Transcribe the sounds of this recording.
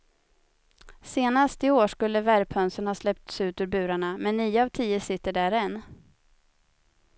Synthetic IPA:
seːnast̪ɪoːʂkɵlːəvæɾpʰœnsənhɑːslɛp̚t̪sʉ̟ːt̪ʉːɾbʉ̟ːɾaɳamɛnːiːəavt̪ʰiːəsɪt̪ːəɖæɾɛnː

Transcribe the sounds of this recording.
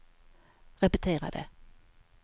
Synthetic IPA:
ʁɛpət̪ʰeːʁɑ̰d̪ḛː

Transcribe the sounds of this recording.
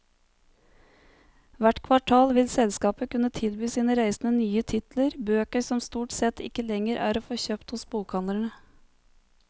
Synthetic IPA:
ʋæʈkʰʋɑʈʰɑːlʋɪlsɛlskɑːpəkʉnət̪ʰɪlbyːsiːnəɾæɪsn̩ənyːət̪ʰɪt̪ləɾbøːkəsɔmst̪uːʈsɛt̪ʰɪ̰kəlɛŋəɾʔæ̰ːɾoːfoːçøːpt̪hʊsbuːkʰhɑnəɳə

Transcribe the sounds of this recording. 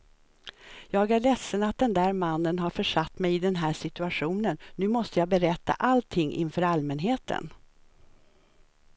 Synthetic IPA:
jɑːɡæɭɛsːənat̪̚d̪ɛnd̪æːɾmanːənɦaɾfœʂat̪ːmɛjɪd̪ɛnɦæːʂɪt̪ɵaɧuːnənːʉ̟ːmɔst̪əjɑːbɛɾɛt̪ːa̰ʔalt̪ʰɪŋːʔɪ̰nfœːɾalmɛnɦeːt̪ʰə̰n

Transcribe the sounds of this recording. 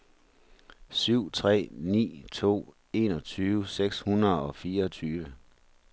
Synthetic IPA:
syʊ̰t͡sʰʁɛ̰ːnḭːt͡sʰo̝̰ː | e̝nɒ̽t͡sʰyːʋəseɡ̥shunɐðˠɒ̽fiːɐɒt͡sʰyːʋə

